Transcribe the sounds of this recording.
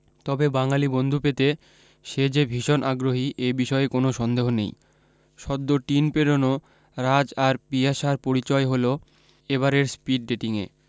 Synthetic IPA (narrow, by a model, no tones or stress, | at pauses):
t̪ɔbebaŋalibond̪ʱupet̪e | ʃed͡ʑebʱiʃonʔaɡɾoɦiʔebiʃɔeekonoʃɔnd̪eɦonḛj | ʃɔd̪ːoʈinpeɾono | ɾad͡ʑaɾpiaʃaɾpoɾit͡ɕɔeɦolo | eβaɾeɾspiɖ̚ɖeʈiŋḛ